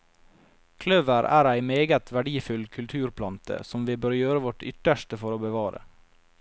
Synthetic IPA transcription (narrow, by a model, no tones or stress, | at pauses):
kʰlœʋəɾæ̰ːɾæɪmeːɡət̪ʰʋæɖiːfʉlkʰʉlt̪ʰʉːɾpʰlɑnt̪ə̰sɔmʋiːbøːɾjøːɾəʋɔʈʏ̰t̪əʃʈəfɔɾoːbəʋɑːɾə̰